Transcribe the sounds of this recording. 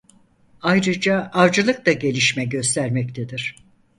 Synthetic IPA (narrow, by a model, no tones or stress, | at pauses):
ajɾɯd͡ʒaːɾd͡ʒɯlˠɯk̚t̪aɟe̞lʲiʃmɛɟø̞st̪ʰæɾmɛct̪ʰed̪iɾ̥